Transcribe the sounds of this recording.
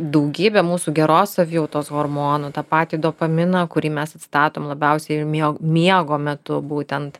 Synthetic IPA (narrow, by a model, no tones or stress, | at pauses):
d̪ɐʊɡʲiːbʲɛmuːsuːɡʲɛɾoːsɐʋʲjɛʊt̪oːsɣoɾmoːnot̪ɑːpɑːt̪ʲiːd̪oːpɐmʲɪnɐkʊɾʲiːmʲɛsɐt̪ʲst̪ɑːt̪oːmlˠɐbʲɛʊsʲɛɪmʲimʲiɛɡoːmʲɛt̪ʊbuːt̪ʲɛnt̪